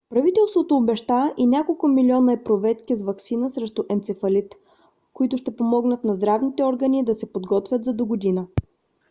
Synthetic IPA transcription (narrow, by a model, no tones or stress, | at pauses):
pɾɐvit̪ɛlˠst̪vot̪oːbɛʃt̪aʔinʲakolˠkʊmilʲiɔnəɛpɾovɛt̪k̟izvɐksinəsɾɛʃt̪ʊʔɛnt̪sɛfɐlit̪ | koit̪ʊʃt̪ɛpomɔɡnət̪nɐzd̪ɾavnit̪ɛɔɾɡənid̪ɐsɛpod̪ɡɔt̪vʲjət̪zɐd̪oɡod̪inə